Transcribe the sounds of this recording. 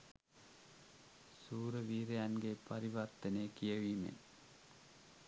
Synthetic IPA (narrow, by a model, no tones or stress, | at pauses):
suːɾɐʋiːɾejanɡepɐɾiʋɐrt̪ɐnekijɐʋiːmḛn